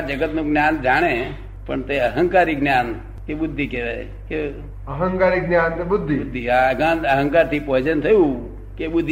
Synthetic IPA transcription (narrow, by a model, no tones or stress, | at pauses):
ad͡ʒəɡət̪nũɡnjand͡ʒaɽ̃e | pəɳt̪eəɦə̃ŋkaɾiɡnjan | keɓʊd̪ʱːikeɾa̰ | ke | əɦə̃ŋkaɾiɡnjant̪ebʊd̪ʱːiʊd̪ʱːiaɡanəɦə̃ŋkaɾt̪ʰipɔɦd͡ʒənt̪ʰəjũ | keɓʊd̪ʱːi